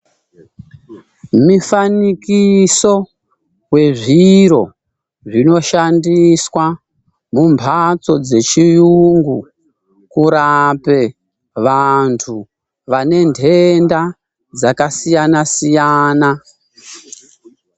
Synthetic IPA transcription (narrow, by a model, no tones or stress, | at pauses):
mifanikiso̞ | we̞ʐiɾo̞̰ | ʐino̞ʃandiswa | mumpʰat͡so̞d͡ze̞t͡ʃijuŋɡu | kuɾape̞ | ʋantʰu | ʋane̞ndʰʱe̞nda | d͡zakasijanasijaːna